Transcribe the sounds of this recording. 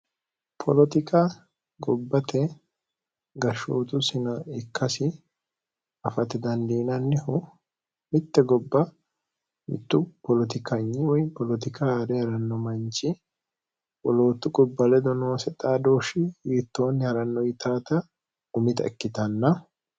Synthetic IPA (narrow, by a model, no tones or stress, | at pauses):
pʰɔlɔt̪ɪkʰa | ɡɔbːɐt̪ʰɛ | ɡɐʃoːt̪ʊsɪnɐɪkːɐsɪ | ɐfɐt̪ɛd̪ɐnd̪iːnɐnːɪhʊ | mɪt̪ːɛɡɔbːɐ | mɪ̰t̪ːʊpɔlɔt̪ɪkɐɲːɪwɔjpɔlɔt̪ɪkʰad̪ɛjɐɾɐnːɔmɐnt͡ʃːɪ | wɔlo̞ːt̪ːʊɡʼɔbːɐlɛd̪ɔno̞ːsɛt̪ʼaːd̪oːʃɪjiːt̪ːoːnjɐɾɐnːɔjɪt̪aːt̪ɐ | ʊmɪt̪ɐɛkːɪt̪ɐnːɐ